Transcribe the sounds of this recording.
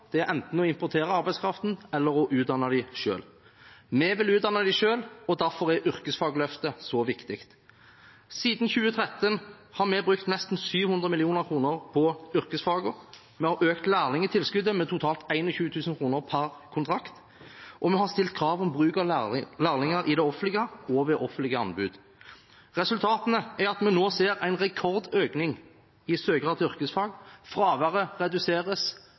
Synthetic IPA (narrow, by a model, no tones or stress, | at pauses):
d̪̥ɛæɾʔɛnt̪n̩ɔɪmpɔt̪ʰeːʁəɑɾbæɪdskʰɾɑft̪n̩ɛlːəɾɔʔʉːt̪d̪ɑnːɑd̪æɪʃø̰ːl | mɛʋɪlʉːd̪ɑnːɑd̪æɪʂøːlɔd̪æɾfɔɾɛʔʏʁkəsfɑːɡəlœft̪əsɔʋɪkt̪ɪkt̪ | siːd̪n̩çʉːət̪ʰɾɛt̪ːən | hɑɾmɛbɾʁʉkt̪nɛst̪n̩syːʋhʉnd̪ʁəmɪlɪuːnəʁkʰʁuːnəʁpʰɔʏɾkəsfɑːɡəɾ | mɛhɑɾøːkt̪læːʁnɪŋət̪ʰɪlskʉd̪əmɛt̪ʰʊt̪ʰɑːlt̪æɪnɔçʉːt̪ʰʉːsən̩kʰʁuːnəʁpʰæʁkʰʊnt̪ʰɾɑkt̪ | ʔɔmɛhɑʁst̪ɪlt̪̚kʰɾɑːʋɔmbʁʉːkɑlæːʁnɪŋəɾʔɪd̪ɛɔfəɪɡəɔʋɛʔɔfənɪɡəɑ̰nbʉ̰ːd̪ | ʁɛsʉlt̪ʰɑːt̪ənəæɾɑt̪mɛnoːseːʁæɪnʁɛkʰɔʁd̪øːknɪŋ | ɪsøːɡʁɑːt̪ʏʁkəsfɑːɡfʁɑːʋəʁəʁɛd̪ʉseːʁəs